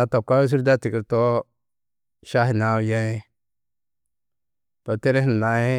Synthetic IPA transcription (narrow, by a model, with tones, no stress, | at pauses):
a˨to˨ka˦e˦s̬i˦ɾda˦ti˨ki˨ɾto˦ | ʃa˦ɦi˨na˨˦˨ja˦e˦ | to˨te˦ɾe˦n˨na˨he˦